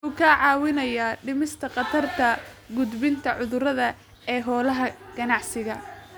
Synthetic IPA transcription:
ʊːkʰaʕɑːwɪnɐjaɖɪmɪst̪ʰɐqɑt̪ʰɐrt̪ʰɐ | ɡʊd̪bɪnt̪ʰɐʕʊðʊɾɐðɐ | ɛːɦɔːlɐɦɐɡ̥ɐnɑʕsɪɣɐ

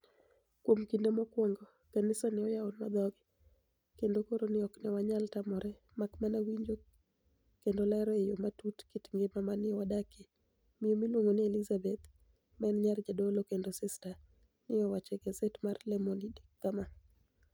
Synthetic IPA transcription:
kwomkindemɔkwɔŋɡɔ | kanɪsanɪɔjaonmad̪ɔɡɪ | kendokoɾonɪɔknɛwaɲaltamɔɾɛ | makmanawiɲd͡ʒo | kendolɛɾɔejomatutkitŋɡemamanɪɔwadake | mɪjomilwoŋɡonielizabɛt̪ | mɛnɲard͡ʒadolokendosɪsta | nɪɔwat͡ʃɛɡazɛtmarlɛmonidikːama

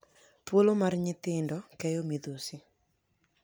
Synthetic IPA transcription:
twolomarɲɪt̪ɪndɔkɛjɔmid̪osɪ

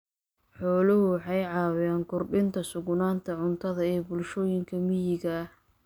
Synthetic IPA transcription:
ħɔːlʊɦʊwɑħɑjʕɑːwɪjaːŋkʰʊrɖɪnt̪ʰɐsʊɣnaːnt̪ʰɐʕʊnt̪ʰɐðɐɛːbʊlʃɔːjɪŋkʰɐmɪjɪɣɐ

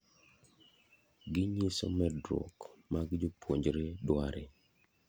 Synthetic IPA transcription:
ɡɪɲiso̰mɛdɾo̰kmaɡd͡ʒopwoɲd͡ʒɾeɗwaɾe

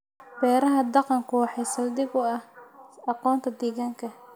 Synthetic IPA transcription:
b̥ɛːɾɐɦɐd̪ɑqɑŋkʰʊwɑħɛjsɐld̪ɪbʊɐhɑqɔːnt̪ʰɐd̪ɛːɣaːŋkʰɐ

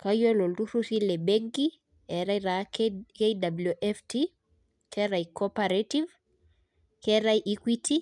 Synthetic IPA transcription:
kajɔlɔlduɾusilɛbɛŋɡi | ɛɾaiɾakejdabluʔɛfti | kʰɛɾajkɔpaɾativ | kɛɾajʔikwitʰi

